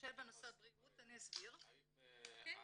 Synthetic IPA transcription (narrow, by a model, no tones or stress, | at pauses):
elbenosabʁiɡutaniasbiʁ